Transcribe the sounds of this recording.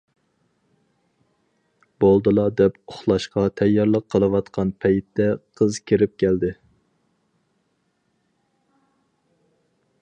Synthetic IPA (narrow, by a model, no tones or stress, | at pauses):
b̥olˠd̪ɨlˠɑd̪ɛpoχlˠɑʃqɑt̪ʰɛjːɑɾlˠəqʰːəlˠɨwɑt̪qʰɑnpʰɛjt̪ːɛqʰəzkʲʰiɾɪp̚kʲɛld̪ɪ